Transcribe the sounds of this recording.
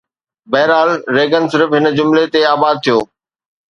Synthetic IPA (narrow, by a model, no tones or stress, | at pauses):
bɛːɾaːlɾeːɡənsɪɾəfɦɪnd͡ʑʊmlet̪eaːbaːd̪̚t̪ʰijoː